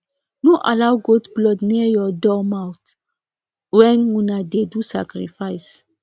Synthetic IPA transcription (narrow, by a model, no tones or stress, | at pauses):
noʔalawɡotblɔdnijɔdɔmawt | wɛ̃nũnadedusa̰kɾḭfajs